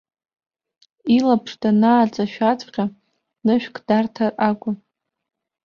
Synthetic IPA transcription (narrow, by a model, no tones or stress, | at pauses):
ilapʰʂtʰʼanaːt͡sʼaʃᶣat͡sʼqʲa | nɨʃᶣkʰʼdartʰarakʷʼʊ